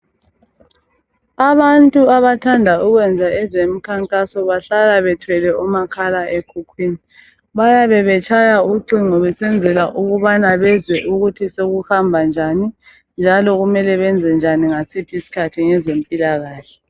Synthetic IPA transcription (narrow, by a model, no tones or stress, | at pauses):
aβantʼuaβatʰandʱauɣwɛnd͡zʱaɛzemikʰaŋkʼasɔβaɬalaβɛtʰwɛlɛʔumakʰalaʔekʰukʰwiːni | βajaβɛβɛt͡ʃʰʼajauǀiŋ͡ǀɔβɛsɛnd͡zʱɛlaʔuɣuβanaβɛzwɛʔuɣutʰiseɣuhambʱand͡ʒʱani | nd͡ʒʱalɔɣumɛlɛβɛnd͡zʱɛnd͡ʒʱaniŋasipʰisi̥kʰatʰiŋɛzempʼilaɣaːɬɛ